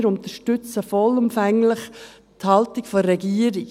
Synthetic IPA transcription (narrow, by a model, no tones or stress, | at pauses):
ɾʊntəʃtʏt͡səfɔlʊmfæŋlɪχ | t̪hɑltikfɔɾɛɡiəɾi